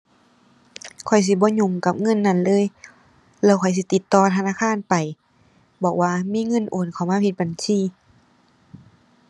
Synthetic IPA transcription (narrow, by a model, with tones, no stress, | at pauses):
kʰɔ˨˩js̬i˧˦bɔː˧˦ɲu˧˩ŋka˧˦p̚ŋɤ˧˥˨nːa˧˥˨nlɤː˧˥˨j | lɛː˧˩wkʰɔ˨˩js̬i˧˦t̪i˨˧˦t̪ːɔː˧t̪ʰa˧naː˧˥˨kʰaː˧˥˨npa˨˩j | bɔː˨˩k̚waː˧miː˧˥˨ŋɤ˧˥˨nʔoː˨˩nkʰa˨˩wmaː˧˥˧pʰi˧t̪̚ba˨˩nsiː˧˨